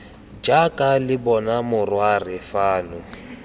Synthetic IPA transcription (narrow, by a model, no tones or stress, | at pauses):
d͡ʒakʼalɪbɔnamʊrwarɪfaːnʊ